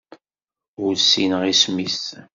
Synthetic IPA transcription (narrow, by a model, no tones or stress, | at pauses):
ʊlsinəʁismis